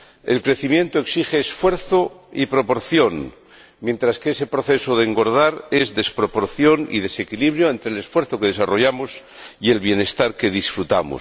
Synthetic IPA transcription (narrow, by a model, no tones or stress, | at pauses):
ḛlkɾe̞θimjẽ̞nt̪oeksixeːsfwe̞ɾθoipɾopo̞ɾθjo̞n | mje̞nt̪ɾaskeese̞pɾo̞θe̞soðeŋɡo̞ɾð̞aɾezðe̞spɾo̞po̞ɾθjo̞nḭð̞e̞se̞kiliβ̞ɾjoent̪ɾelesfwe̞ɾθokeð̞e̞saro̞ʝamos | ie̞lβje̞ne̞st̪aɾke̞ðisfɾut̪amo̰s